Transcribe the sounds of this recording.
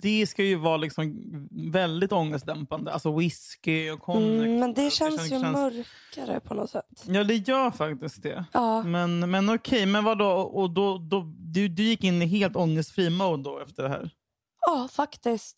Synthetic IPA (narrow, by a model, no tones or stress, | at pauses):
d̪̥ɛskajɵvɑːlɪksɔmvɛld̪ɪt̪ɔŋːəst̪d̪ɛmpand̪əʔalsɔwɪskɪɔkʰɔmɛnd̪ɛɕɛnːsjɵɛmœɾk | aɾə̰pʰɔnɔt̪sɛt̪ːjɑːd̪ɛjœːɾfak̚t̪ɪsk̚d̪ɛɑːmɛnmɛnɔkʰɛjmɛnvad̪oːɔʔɔd̪ɔd̪ɔd̪ɵd̪ɵjɪkːɪnːɪɦeːlt̪ɔŋːəst̪fɾiːmow̪nd̪ɔɛft̪əɖɛɦæ̰ːɾ | ɑːfakt̪ɪst̪